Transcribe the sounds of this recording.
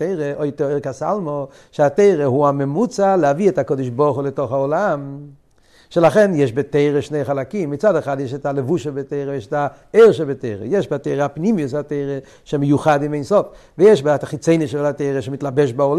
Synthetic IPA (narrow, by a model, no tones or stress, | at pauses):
eɪʁeʔojtɔoɪɾkasa̰lˠmo | ʃeateɪʁeɦuamemut͡salɛaviɛtakɔdiʃbɔʁχulɛtoχaolam | ʃelaχɛnjɛʃbeteɪʁeʃneɪχalakimːit͡sadɛχadjɛʃɛtalevuʃebeteɪʁejɛʃɛta | eɪʁʃɛbeteɪʁḛjɛʃbateɪʁeapnimijusateɪʁe | ʃemejuχadimeɪnsɔfvejɛʃbtaχit͡seɪniʃɛlateɪʁeʃemitlabɛʃ̬baol